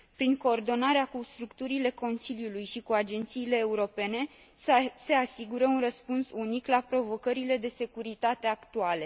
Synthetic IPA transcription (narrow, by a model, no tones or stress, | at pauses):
pɾiŋko̞ːrd̪o̞naɾeakust̪ɾukt̪uɾile̞ko̞nsiljulujʃikuad͡ʒe̞nt̪siːle̞ːuɾo̞pe̞ne̞ | se̞asiɡuɾəunrəspunsuniklapɾo̞vo̞kəɾile̞d̪e̞se̞kuɾit̪at̪e̞akt̪uale̞